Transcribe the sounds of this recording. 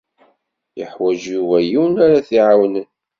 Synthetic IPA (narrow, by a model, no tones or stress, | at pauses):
jəħwæʒjuwæjiwnaɾaθiʕawnən